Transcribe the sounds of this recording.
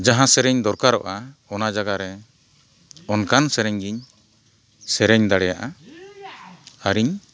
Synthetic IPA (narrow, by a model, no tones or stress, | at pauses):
d͡ʒaɦãsɛɾɛɲd̪ɔɾkaɾɔʔaɔnad͡ʒaɡaɾɛ | ɔnkansɛɾɛɲɡiɲ | sɛɾɛɲd̪aɽɛjaʔa | aɾiɲ